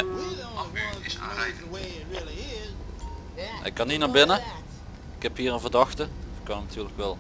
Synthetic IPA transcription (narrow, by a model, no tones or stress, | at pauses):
ɪsa̰ɛ | ɪkːɑnitnaːɹbɪnə | ɪkhɛpɦiːrənvərdɑxtəkɑnatyːrləkʋɛlˠ